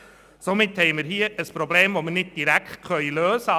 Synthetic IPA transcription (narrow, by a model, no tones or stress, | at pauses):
somɪthɛɪməɾɦiːəʔəspɾobleːmʋomənɪd̚d̥iɾækχt̚kœʏløːsə